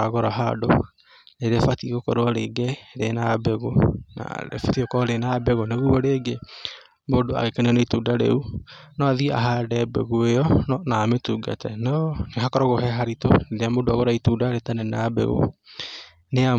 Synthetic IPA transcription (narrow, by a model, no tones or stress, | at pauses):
aɣoɾaɦa̰do̰ | neɾefatiɣokɔɾoɔɾeɡɛɾenabɛɣona̰ɾḛfatiokɔɾenabɛɣoneɣuɔɾeːɡe | modoa̰ɣekaniɔneituːdaɾḛunɔaðia̰ɦaɾɛbɛ̰ɣoejɔnɔnaːmetuːɡa̰tɛnɔneɦakɔɾɔɣoɦɛɦaɾito̰neɾeamoːdoaɣoɾaituːdaɾetanɛnabɛ̰ɣo̰ | nea